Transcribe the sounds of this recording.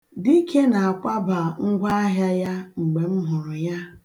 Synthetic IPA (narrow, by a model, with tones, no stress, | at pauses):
di˦kʰe˦na˨a˨kʷa˦ba˨ŋ̩˦ɡʷa˦a˦ɦja˦ja˦ŋ͡m̩˨ɡ͡be˨m̩˦ɦʊ˨ɾʊ˨ja˦